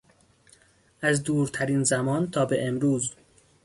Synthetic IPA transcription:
ʔæzd̪uːɾt̪ʰæɾiːnzæmɒːnt̪ʰɒːbeʔemɾuːz

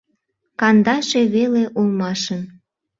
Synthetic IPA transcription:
kɑnd̪ɑʃeβeleʔulˠmɑʃən

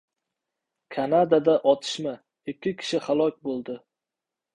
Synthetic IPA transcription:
kʰanad̪ad̪aʔɒt̪ʰɪ̥ʃma | ɪkʲːɪkʲʰɪ̥ʃɪhalˠɒkʲbolˠd̪ɪ

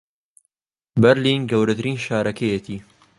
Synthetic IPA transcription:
bɛɾliːnɡɐwɾɐt̪ʰɨɾiːnʃaːɾʔɐkʰɐjɛt̪ʰiː

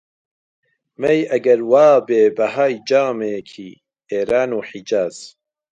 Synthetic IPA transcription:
mejɐɡɐɾwaːbeːbɐɦaːjd͡ʒaːmeːkʰiː | eːɾaːnuːħid͡ʒaːz̥

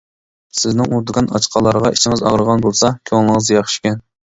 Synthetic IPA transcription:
sɪznɪŋuɾd̪ɨkɑnɑ̰t͡ʃqʰɑlˠːɑɾʁɑit͡ʃʰɪŋɪzɑ̰ʁɾəʁɑnbolˠsɑkʲʰøŋlˠɨŋəzjɑχʃkʲɛn

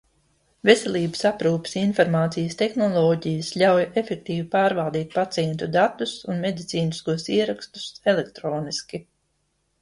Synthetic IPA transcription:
vesɛlʲˠiːbə̥sapɾuːpi̥sinfɔɾmaːt̪sijəst̪exnɔlˠɔːɟijəslʲawjefɛk̚t̪iːvipaːɾvalˠd̪iːt̪̚pat̪sʲɛnt̪ud̪at̪usunmed̪it̪sʲiːniskuɔsiɛɾakst̪u̥selek̚t̪ɾoːniskʲi

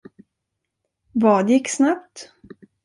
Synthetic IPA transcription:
vɑːd̪jɪkːsnapt̪

